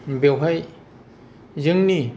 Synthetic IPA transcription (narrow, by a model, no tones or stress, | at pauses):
bewɦaj | zɯŋni